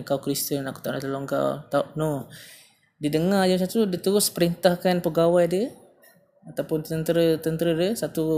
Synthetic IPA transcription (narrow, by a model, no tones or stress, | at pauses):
ŋkawkɾist̪ənaku̥t̪aʔnat̪əloŋka̰wt̪aʊʔno | didəŋadəmsat̪udit̪uɾʊspəɾint̪ahkanpəɡawajdiə | at̪awpʊnt̪ənt̪əɾət̪ənt̪əɾədiəsat̪u